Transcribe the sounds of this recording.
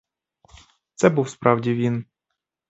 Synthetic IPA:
t̪sɛbuwspɾɑwdʲiʋʲin

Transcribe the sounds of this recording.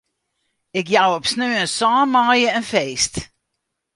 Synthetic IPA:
ɪkjawɔpsnøənsɑːmɑːjəənfeːst

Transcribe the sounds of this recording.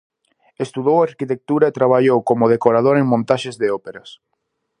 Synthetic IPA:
est̪uðowaɾkit̪ek̚t̪uɾɐet̪ɾaβ̞aʎowkomʊð̞ekoɾað̞oɾeŋmõnt̪aʃezðeopeɾɐs

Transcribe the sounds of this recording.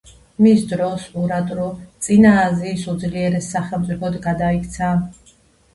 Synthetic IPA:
misd̪ɾɔsuɾat̪ʼɾut̪sʼinaːziːsud̪zliɛɾɛsːaχɛlˠmt̪sʼipʰɔd̪ɡad̪aikʰʼt̪sʰa

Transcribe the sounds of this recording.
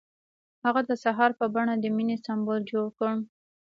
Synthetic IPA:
haɣad̪əsaɦɑɾpəbaɳad̪əminesambold͡ʒoɽkəɳ

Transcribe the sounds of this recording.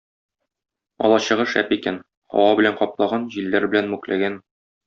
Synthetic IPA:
ɒ̰lˠɑɕɤ̆ʁɤʃæ̰pikæn | ɒ̰wɑbɘ̆læɴqɒplˠɑʁɑnʑilːæɾbɘ̆lænmʉklæ̰ɡæn

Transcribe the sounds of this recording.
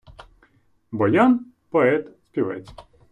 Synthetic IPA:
bɔjan | pɔɛt̪spʲiʋɛ̰t͡s̪ʲ

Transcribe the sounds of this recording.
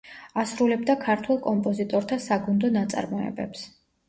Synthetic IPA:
asɾulɛbd̪akʰaɾt̪ʰwɛlˠkʼɔmpʼɔzit̪ʼɔɾt̪ʰasaɡund̪ɔnat̪sʼa̰ɾmɔɛ̰bɛ̰ps

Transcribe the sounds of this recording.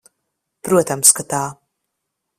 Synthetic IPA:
pɾuɔt̪amskat̪aː

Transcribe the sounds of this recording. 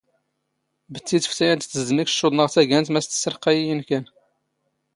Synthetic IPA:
bət̪ːit̪ə̥ft̪æjænt̪t̪ːəzmikə̥ʃːud̪ˤnəʁt̪æɡænt̪mæst̪ə̥səɾqæjijənkæn

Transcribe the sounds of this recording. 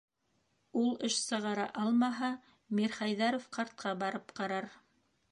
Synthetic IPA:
ulˠɘʃsɤ̆ʁɑɾɑʔɑlˠmɑɦɑ | mʲiɾχɑjðɑɾofqɑɾt̪̚qɑbɑɾɤpqɑɾɑɾ

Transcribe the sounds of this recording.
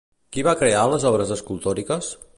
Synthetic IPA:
kiβakɾealəzɔβɾəzəskulˠt̪ɔɾikəs

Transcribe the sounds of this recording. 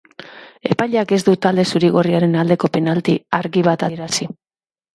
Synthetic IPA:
e̞pajʎake̞zd̪ut̪ald̪e̞suɾiɣo̞riaɾe̞nald̪e̞ko̞pe̞nalt̪iaɾɣiβ̞at̪aɾasi

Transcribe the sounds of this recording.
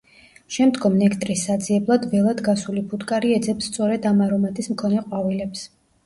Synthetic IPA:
ʃɛmd̪ɡɔmnɛkʰt̪ʼɾisːad̪ziɛblˠad̪vɛlˠad̪ɡasulibut̪ʼkʼaɾiɛd̪zɛpsːt̪sʼɔɾɛd̪amaɾɔmat̪ʰʼismkʰɔnɛqʼwavilɛps

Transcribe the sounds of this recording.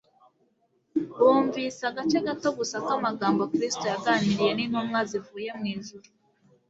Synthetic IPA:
woːɱvisaɡat͡ʃeɡato̞ɡusakamaɡaːmbo̞kɾisi̥to̞jaɡaɲiɾije̞ninhomŋazivuːje̞mŋiːnzuɾu

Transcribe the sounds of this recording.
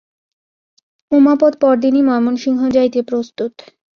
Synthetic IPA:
umapɔt̪̚pɔɾd̪inimɔemonʃiŋɦod͡ʑajt̪epɾost̪ut̪

